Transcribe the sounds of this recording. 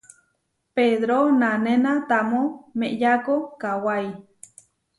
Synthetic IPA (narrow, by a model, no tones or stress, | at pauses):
peðɾonãnenat̪amõmeʔjakokawaj